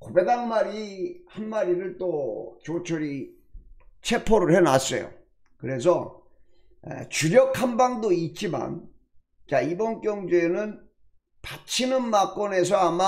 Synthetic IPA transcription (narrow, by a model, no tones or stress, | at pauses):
kobe̞daŋmaɾihanmaɾiɾɯɭt͈ot͡ɕot͡ɕʰʌɾi | t͡ɕʰe̞pʰoɾɯɭhe̞na̰s͈ʌ̰jo̰ | kɯɾe̞sʰʌ | ḛt͡ɕuɾjʌkʰhanbaŋdoit̚t͡ɕ͈ima̰n | t͡ɕaibʌnk͈jʌŋd͡ʑuenɯn | pat͡ɕʰinɯnmak͈ʌne̞s̬ʰʌama